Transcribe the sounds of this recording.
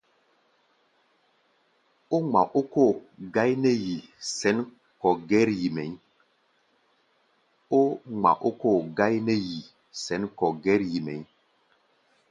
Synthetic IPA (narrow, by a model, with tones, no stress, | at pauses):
o˦ŋ͡ma̰˨ʔo˦ko˦˨ɡa˦jnɛ˦ji˨sɛ˨˦n | kɔ˨ɡɛ˦ɾji˨mɛ˨˦ | o˦ŋ͡ma̰˨ʔo˦ko˦˨ɡa˦jnɛ˦ji˨ | sɛ˨˦nkɔ˨ɡɛ˦ɾji˨mɛ̰˨˦